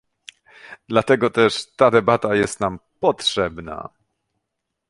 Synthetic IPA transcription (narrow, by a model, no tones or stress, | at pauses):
d̪lat̪ɛɡɔt̪ɛʂt̪ad̪ɛbat̪ajɛst̪nampɔtʂɛbna̰